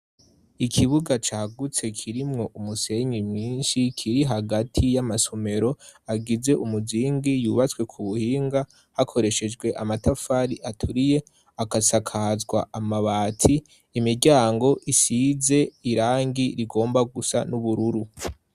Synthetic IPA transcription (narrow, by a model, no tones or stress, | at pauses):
ikʰiβuɡat͡ʃaːɡut͡se̞kʰiɾimŋo̞ʔumuse̞ɲimɲiːnʃikʰiɾiɦaɡatʰijamasome̞ɾo̞aɡize̞ʔumuziːŋɡijuːβat͡swe̞kʰuβuhiːŋɡa | hakʰo̞ɾe̞ʃe̞d͡ʒɡwe̞ʔamatafaɾiʔatʰuɾije̞ | akasakʰazɡwa̰amaβaːtʰiː | miɾɟaːŋɡo̞ʔisize̞iɾaːŋɡiɾiɡo̞ːmbaɡusa̰nuβuɾuɾu